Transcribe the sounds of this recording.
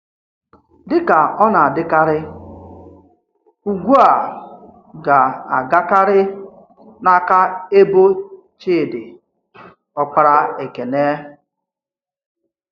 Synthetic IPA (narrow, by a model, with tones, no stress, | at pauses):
dɪ˦ka˨ɔ˦na˨a˨dɪ˦ka˦ɾɪ˦ | u˨ɡʷu˦a˨ | ɡa˨a˨ɡa˦ka˦ɾɪ˦ | na˦ka˦e˦bo˦ | t͡ʃeː˦˨dɪ˨ | ɔ˦k͡pa˦ɾa˦e˨ke˨ne˦